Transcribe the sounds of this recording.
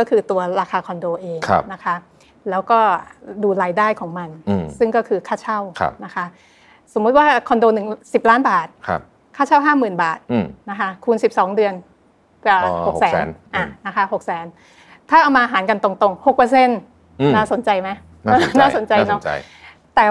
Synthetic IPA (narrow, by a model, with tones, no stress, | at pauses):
kɔː˥˩kʰɯː˧t̪u˧ɐɾaː˧kʰaː˧kʰɔ˧ndoː˧ʔeː˧ŋʰa˧na˦˥kʰa˦˥ʔ | lɛː˦˥wkɔː˥˩duː˧ɾaː˧jdaː˥˩jkʰɔː˩˦ŋma˧n˧sɯ˥˩ŋkɔː˥˩kʰɯː˧kʰaː˥˩t͡ɕʰa˥˩w̰ʰna˦˥kʰa˦˥ʔ | so˩˦mu˦˥t̪̚waː˥˩kʰɔ˧ndoː˧nɯ˨˩ŋsi˨˩p̚laː˦˥nbaː˨˩t̪̚kʰa̰˧ | kʰaː˥˩t͡ɕʰa˥˩wɦaː˥˩mɯː˨˩nbaː˨˩t̪̚na˦˥kʰa˦˥kʰuː˧nsi˨˩p̚sɔː˩˦ŋdɯ˧ən | ka˨˩ho˨˩ksɛ˩ɛː˨˦ʔaː˨˩na˦˥kʰa˦˥ho˨˩k̚sɛː˩˦n | t̪ʰaː˥˩ʔa˧wmaː˧ɦaː˩˦nka˧nt̪o˧ŋt̪o˧ŋho˨˩k̚pəː˧se˧˥˩n | na˦˥˩so˩˦nt͡ɕa˧jma˦˥jː | naː˥˩so˩˦nt͡ɕa˧jnɔ̰˦˥˧j | t̪ɛː˨˩